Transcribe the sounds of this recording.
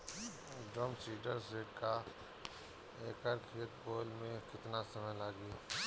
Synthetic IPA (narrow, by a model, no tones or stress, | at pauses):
ɖɾomsiːɖəɾseːʈka | eːkaːɾkʰeːt̪boːlmẽkɪt̪nasɐməjlaːɡiː